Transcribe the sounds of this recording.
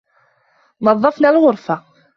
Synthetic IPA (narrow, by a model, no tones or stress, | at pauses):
nɑðˤːɑfnalʁʊɾˤfa